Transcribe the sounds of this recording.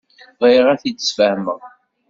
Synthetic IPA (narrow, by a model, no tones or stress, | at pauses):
ðˤiʁæθit͡sːə̥sfəhməʁ